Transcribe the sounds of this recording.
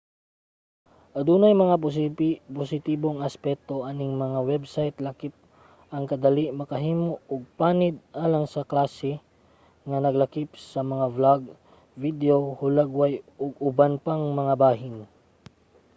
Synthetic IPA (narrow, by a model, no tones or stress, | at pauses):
ʔɐd̪uːnɐjmɐŋa | posɪt̪iːboŋɐspɛk̚t̪oʔanɪŋmɐŋawɛbsajt̪lɐkip̚ | ʔɐŋkɐd̪ɐliʔmɐkɐɦiːmooɡ̚paːnɪd̪̚ʔaːlɐŋsɐklaːsɛ | ŋɐnɐɡlɐkip̚sɐmɐŋavlaɡ | vid̪eohʊlaɡwajoɡʊbanpaŋmɐŋabaːɦɪn